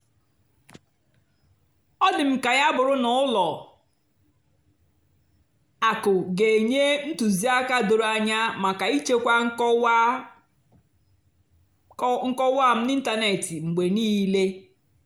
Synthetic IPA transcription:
ɔ˦dɪ˨m̩˨ka˨ja˦bʊ˨ɾʊ˦nʊ˦ʊ˦lɔ˨ | a˨kʊ˨ɡe˨e˨ɲe˦n̩˦tu˨zi˦a˦ka˦do˨ɾa˦ɲa˦ma˨ka˨i˦t͡ʃe˦kʷa˦ŋ̩˦k | ŋ̩˦kɔ˦wa˦˨m̩˦ni˦n̩˦ta˦ne˨ti˨ŋ͡m̩˨ɡ͡be˨niː˦le˦

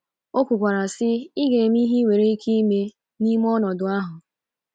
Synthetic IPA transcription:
o˦kʷu˨kʷa˨ɾa˨sɪ˦ɪ˦ɡe˨m˦i˦ɦi˦we˨ɾe˦kʰi˦i˦me˦ | ni˦m˦ɔ˦nɔ˨dʊ˨a˦ɦʊ˨

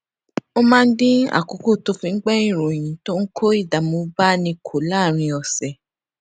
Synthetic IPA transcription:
o˧mãː˦˧n̩˦dĩ˦a̰˦˨ko˨˦ko˦˨to˦fĩ˧˦ɡ͡bɛ˦ĩ˦˨ɾo˨j̃ĩ˨˦to˦ŋ̩˦kʰo˦i˦˨da˨˦mo˧ba˦nĩ˧kʰo˨laː˦˨ɾ̃ĩ˧ɔ˨sɛ˨

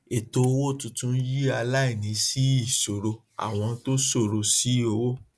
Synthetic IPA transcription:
e˨to˧wo˦˨tũ˧tũ˦n̩˦ji˦a˧la˦i˦˨nĩ˨˧˦si˦i˦˨so˨ɾo˧ | a̰˨w̃ɔ̃˧to˦so˦˨ɾo˧si˨˦o˧wo˦

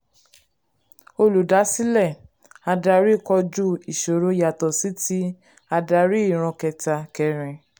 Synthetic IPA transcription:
o˧lu˨da˨˦si˦lɛ˦˨ | a˧da˧ɾi˦˨kɔ˧d͡ʒu˦i˨ʃo˨ɾo˧ja˨tɔ˨si˨˦ti˦ | a˧da˧ɾi˦i˦˨ɾ̃ɔ̃˧kɛ˧ta˧kɛ˧ɾ̃ɛ̃˧

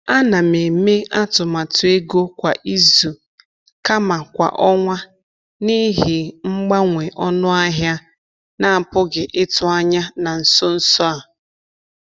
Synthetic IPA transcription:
a˦na˨me˨me˦a˦tʊ˨ma˨tʊ˨e˦ɡo˦kʷa˨ʔi˦zu˨ | ka˦ma˨kʷa̰˨ʔɔ˦ŋʷa˦ | ni˦ɦɪ˨ŋ͡m̩˦ɡ͡ba˦ŋʷe˨ʔɔ˦nʊ˦a˦ɦja˦ | na˨pʊ˦ɡɪ˨ʔɪ˦tʊ˨a˦ɲa˦na˨n̩˨sɔ˦n̩˦sɔ˦a˨

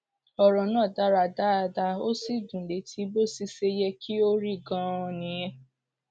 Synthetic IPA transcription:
ɔ˨ɾɔ˨nãː˦˨da˦ɾa˧˨da˦a˧da˧o˦si˦˨dũ˨le˨˦tʰi˨˦bo˦si˧se˧jɛ˧kʰi˦o˦ɾi˦˨ɡã˧ɔ˧nĩ˨˦jɛ̃˧˦

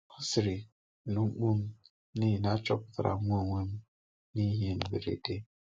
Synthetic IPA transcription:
u˦si˨ɾi˨ | nu˨˦k͡pu˦m˦ | ni˦˨na˦t͡ʃɔ˦p̚tɾa̰˨˦ŋʷ˦o˦˨ŋʷe˦m˦ | ni˦ɦe˦˨n̩˨bḛ˨ɾḛ˨de˦

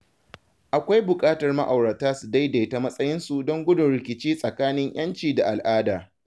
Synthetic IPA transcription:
ʔa˨kʷa˦jbʊ˨kʼaː˦tɐ˨rmɐ̰˦ʔa˨wɽɐ˨taː˦su˨da˦jda˨ta˨mɐ˦sʼɐ˦jɪ˦nsu˨dɔ˦ŋɡʷʊ˦dʊ˨nɾɪ˨kʲɪ˨t͡ʃiː˦sʼɐ˨kaː˦nɪ˦ɲj̰ɐ˦nt͡ʃiː˨da˨ʔa˨lʔaː˦daː˨

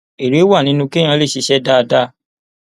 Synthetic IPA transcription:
e˨ɾe˨˦wa˦˨nĩ˦nũ˧kẽ˦ã˧˦le˦˨ʃi˨˧ʃɛ˦da˦˧da˦˨

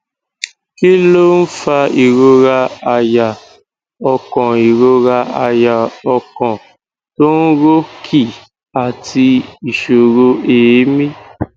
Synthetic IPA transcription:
ki˦lo˦n̩˦fa˧i˨ɾo˧ɾa˧a˨ja˨ | ɔ˧kɔ̃˨i˨ɾo˧ɾa˧a˨ja˨ɔ˧kɔ̃˨ | to˦n̩˦ɾo˦kʰi˦˨ | a˨ti˧i˨ʃo˨ɾo˧e˨˦mĩ˦

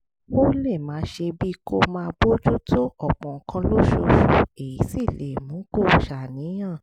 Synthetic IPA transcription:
o˦le˦˨mã˨˦ʃe˧bi˦ko˧mãː˧bo˦d͡ʒu˦tʰo˦ɔ˦˨k͡pɔ̃˨kã˧lo˦ʃo˧ʃu˨e˨ji˨˦si˦˨le˨mũ˨˦ko˦˨ʃa˨nĩ˨˦j̃ã˦˨

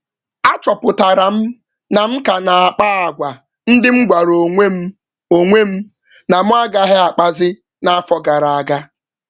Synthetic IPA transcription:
a˦t͡ʃɔ˨pʊ˨ta˨ɾa˨m̩˦ | na˨m̩˦ka˨na˨a˨k͡pa˦a˨ɡʷa˨ | n̩˦dɪ˦m̩˦ɡʷa˨ɾo˨ŋʷe˦m̩˦ | o˨ŋʷe˦m̩˦ | na˨m̩˦a˦ɡa˦ɦɪ˦a˨k͡pa˦zɪ˦ | na˨a˦fɔ˨ɡa˨ɾa˨a˨ɡa˦

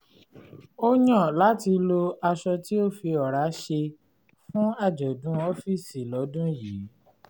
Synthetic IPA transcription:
o˦ɲɔ̃˦˨la˨˦ti˧lo˧a˧ʃɔ˧ti˦o˦˨fi˧ɔ˨ɾa˨˦ʃe˧ | fũ˦a˦˨d͡ʒɔ˨dũ˦ɔ˦fi˦˨si˨lɔ˨˦dũ˦jiː˨˦

